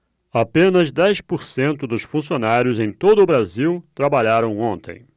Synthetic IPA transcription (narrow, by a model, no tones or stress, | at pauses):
apẽnɐzd̪ɛjspoɾsẽnt̪ʊd̪ʊsfũsionaɾjʊzẽj̃t̪od̪ʊbɾaziwt̪ɾabaʎaɾɐ̃w̃õnt̪ḛ̃j̃